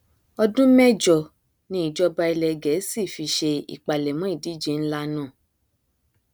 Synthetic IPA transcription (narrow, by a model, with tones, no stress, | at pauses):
ɔ˧dũ˦mɛ̃˦d͡ʒɔ˨ | nĩ˦i˦˨d͡ʒɔ˧ba˧i˧lɛ˧ɡɛ˨˦si˦˨fi˧ʃe˧ḭ˨k͡pa˨lɛ˨mɔ̃˦i˦˨di˨˦d͡ʒe˧˨n̩˦la˦nũː˦˨